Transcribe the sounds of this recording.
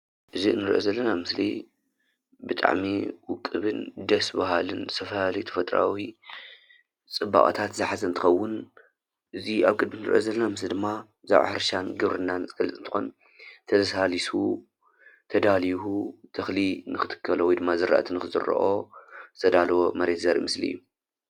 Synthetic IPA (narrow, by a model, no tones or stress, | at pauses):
ʔɨziɨnːɨɾʔozɐlːɐnamɨslḭ | bɨt̪ʼa̰ʕmiwʊkʼːɨβɨnd̪ɐsbaɦalɨnsʰɐfɐhalit̪ʰɐ̥fɐt̪ʼɾa̰wi | t͡sʼɨbːa̰χʼɐ̰t̪ʰat̪zɨħazɐnt̪ʰɨxɐwːʊn | ʔɨziaβkʼɨd̪̚minɨɾʔo̰zɐlːɐnamɨslid̪ɨmːa | za̰ʕʔa̰ħɨɾʃanɡɨβɾɨnːanzɨɡɐlːɨt̪ʼɨnt̪ʰɨ̥xo̰n | t̪ʰɐzɐsalisu | t̪ʰɐd̪alihut̪ʰɐxlinɨxɨt̪ʰɨ̥kʰːɐlowɔjd̪ɨmːazɨɾʔa̰ʔa̰t̪ʰɨnɨxɨzɨ̰ɾ̰ːʔot̪ʰɐd̪alwomɐɾe̞t̪zɐɾḭmɨsliɨ̰jːu